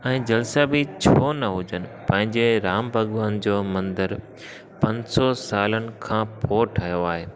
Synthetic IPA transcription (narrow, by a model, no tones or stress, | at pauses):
ɛ̃ːd͡ʑɐlsabɪt͡ɕʰoːnɐɦʊd͡ʑənɪ̆pɐ̃ɦɪ̃ɲd͡ʑeɾaːmbʱɐɠʋaːnd͡ʑoːmɐ̃nd̪əɾ | pɐ̃ɲsɔsaːlənɪ̆kʰãːpʰoːʈʰɐjoaːɦeː